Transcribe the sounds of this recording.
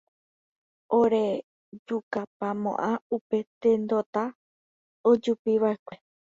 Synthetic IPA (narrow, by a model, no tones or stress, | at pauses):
oɾe̞ | d͡ʒukapamõ̞̰ʔãupe̞t̪ẽnd̪o̞t̪a | od͡ʒupiʋaʔekʷe̞